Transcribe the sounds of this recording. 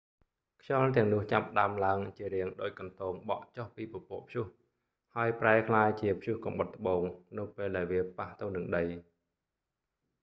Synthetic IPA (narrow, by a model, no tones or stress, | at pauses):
kʰjɑlt̪ɛ̆əŋnʊ̆əht͡ɕapːə̆ɗaəmlaəŋt͡ɕiəɾiəŋɗoːc̚kɑnt̪oːŋɓɑ̰ʔt͡ɕohpiːpopʊ̆əʔpʰjuh | haəjpraɛkʰlaːjt͡ɕiəpʰjuhkɑmɓət̪ːə̆ɓoːŋnɨwpeːlɗaɛlʋiəpaht̪ɨwnɨŋɗəj